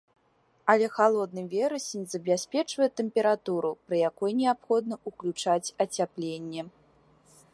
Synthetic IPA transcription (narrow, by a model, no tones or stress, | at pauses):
ɐlʲɛxalˠɔd̪̚nɨvʲɛɾɐsʲenʲzɐbʲasʲpʲɛt͡ʂvɐjɛt̪ɛmpʲɛɾat̪uɾupɾɐjakɔjnʲɛapxɔd̪nɐʔuklʲut͡ʂat͡sʲɐt͡sʲaplʲenʲːɛ